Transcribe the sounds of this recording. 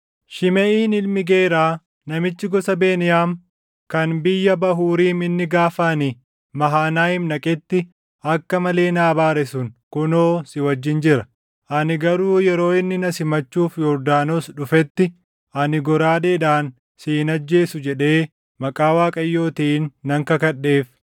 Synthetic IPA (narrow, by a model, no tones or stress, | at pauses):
ʃɪmɛʔiːnɪlmɪɡeːɾaː | nɐmɪt͡ʃːɪɡɔsɐbe̞ːnɪjaːm | kɐnbɪjːɐbɐɦuːɾiːmɪnːɪɡaːfɐnɪ | mɐɦaːnaːjɪmnɐkʼɛt̪ːɪ | ɐkːɐmɐle̞ːnaːbaːɾɛsʊnkʊno̞ːsɪwɐd͡ʒːɪnd͡ʒɪɾɐ | ʔɐnɪɡɐɾuːjɛɾo̞ːɪnːɪnɐsɪmɐt͡ʃːuːfjɔɾd̪aːnosᶑʊfɛt̪ːɪ | ʔɐnɪɡɔɾaːᶑeːᶑaːn | siːnɐd͡ʒːe̞ːsʊd͡ʒɛᶑe̞ː | mɐkʼaːwaːkʼɐjːo̞ːt̪iːnːɐŋkɐkɐɗːe̞ːf